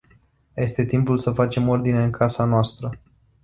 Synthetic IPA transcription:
je̞st̪e̞t̪impulsəfat͡ʃe̞mo̞rd̪ine̞ɨŋkʰasanoast̪ɾə

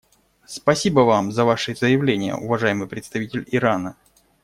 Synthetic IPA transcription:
spɐsʲibəvamzɐvaʂɨzəjɪvlʲenʲɪjə̰ʊvɐʐajɪmɨjpɾʲɪt̪st̪ɐvʲitʲɪlʲɪɾanə

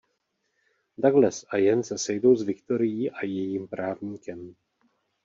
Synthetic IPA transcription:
daɡlɛsʔajɛnsɛsɛjdo̞wzvɪkt̪o̞ɾɪjiːʔajɛjiːmpɾaːvɲiːkɛm

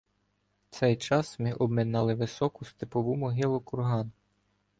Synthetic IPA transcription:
t̪sɛjt͡ʃɑsmɪʔɔbmɪnɑlˠɪʋɪsɔkʊst̪ɪpɔʋumɔɦɪlˠʊkʊrɦɑn

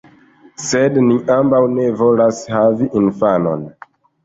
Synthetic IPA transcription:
se̞dniʔambawne̞vo̞lashaviʔinfano̞̰n

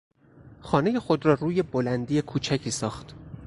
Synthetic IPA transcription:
xɒːne̞je̞xo̞d̪ɾɒːɾuːje̞bolænd̪ijekʰuːt͡ʃʰæcʰiːsɒːxt̪

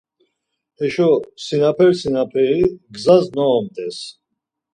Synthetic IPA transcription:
ɛʃɔsinapʰɛɾsinapʰɛɾiɡzaznɔɔmt̪ʼɛs

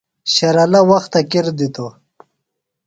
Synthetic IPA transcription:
ɕɐɾalawaxt̪akiɾd̪it̪o

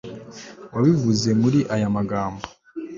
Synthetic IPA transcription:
waβivuze̞muɾiʔajamaɡaːmbo

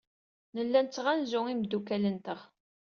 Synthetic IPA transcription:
nəlːænt͡sːʁænzʊimd̪ːukælənt̪əʁ

